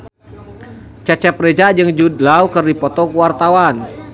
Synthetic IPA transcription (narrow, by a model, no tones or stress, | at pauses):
t͡ʃat͡ʃɛpɾɛd͡ʒad͡ʒɨŋd͡ʒudlaukərdipɔt̪ɔkuwart̪awan